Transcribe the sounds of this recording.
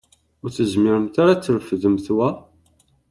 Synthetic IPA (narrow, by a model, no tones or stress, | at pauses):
ʊɾθəzmɪɾəmt̪aɾat͡sːəɾəfðəmθwæ